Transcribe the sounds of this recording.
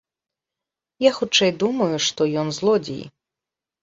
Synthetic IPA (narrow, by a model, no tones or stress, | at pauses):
jaxut͡ʂɛjd̪umɐjuʂt̪ɔjɔnzlˠɔd͡zʲḭj